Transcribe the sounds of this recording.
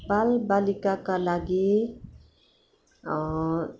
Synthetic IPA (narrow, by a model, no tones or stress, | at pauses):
balbalikakalaɡi